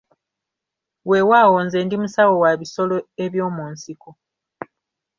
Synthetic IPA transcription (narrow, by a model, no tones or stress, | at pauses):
we̞wawo̞ːnze̞ːndimusawo̞waβiso̞loeβjo̞ːmuːnsiko